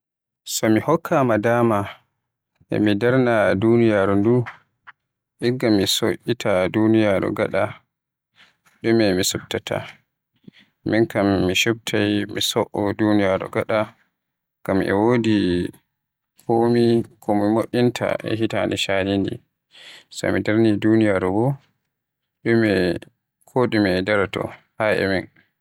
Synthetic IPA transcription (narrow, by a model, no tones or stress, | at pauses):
sɔmihɔkʰːamadaːma | ʔɛ̰midaɾnadunijaɾundu | ʔiɡamːisoʔitʰadunijaɾɔ̰ɡa̰ɗa | ɗumɛmisub̚tatʰa̰ | miŋkamːiʃub̚tʰajmisɔʔɔdunijaɾɔ̰ɡaɗa | kamʔɛ̰woːdi | komikʰɔmimoʔintʰa̰ʔɛ̰ɦitaniʃaɾindḭ | sɔ̰midaɾnidunijaɾɔbɔ | ɗumɛ | kʰoɗimɛdaɾatɔ̰ | haɛ̰min